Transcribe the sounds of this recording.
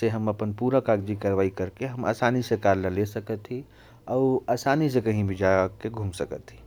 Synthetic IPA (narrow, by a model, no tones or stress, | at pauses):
seɦɐmɐpənpuːɾakaːɡd͡ʒikaːɾʋaːikəɾkeɦɐmʔa̰ːsaːnisəkaːɾlalesɐkət̪ɦi | ɔːɾaːsaːnisekɐɦĩbʱid͡ʒakeɡʱũːmsəkət̪ɦiː